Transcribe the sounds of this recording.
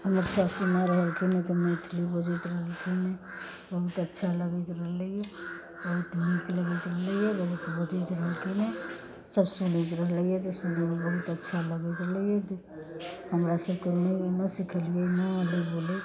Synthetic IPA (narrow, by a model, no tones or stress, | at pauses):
ɦəməɾsasimɛɾəɦəlkʰinet̪ɔmɛt̪ʰlibod͡ʒət̪ɾəɦəlkʰine | bəɦut̪ətːʃʰaləɡit̪ɾəɦləɛ | bəɦut̪nikləɡət̪ɾəɦləjɛbəɦut̪əbət͡ʃit̪ɾəɦəlkine | səbsunət̪̬ɾəɦləjɛt̪ɔsəmd͡ʒəmebəɦut̪ətːʃʰaləɡet̪ɾələjɛt̪ɔ | həmɾasəbkenənəsikʰəlijɛnələbole